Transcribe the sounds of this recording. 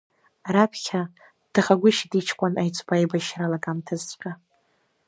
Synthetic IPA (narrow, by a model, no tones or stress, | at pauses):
ɾapʰχʲa | d̥ɨχaɡʷʊʃitʼit͡ʃʰkʷʰʼanajt͡sʷʼbajbaʃralaɡʼamtʰɨzt͡sʷʼħʼa